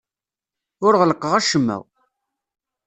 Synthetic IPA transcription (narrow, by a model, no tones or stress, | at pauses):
ʊɾʁələqːəʁæʃəmːæ̰w